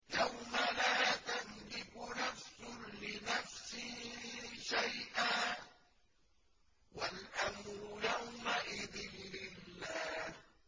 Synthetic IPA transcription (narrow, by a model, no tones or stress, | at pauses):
jawmalaːt̪aðlɪkʊnafsʊlɪnafsiːʃajʔaː | walʔamɾʊjawmaʔɪðɪnːɪlːaːh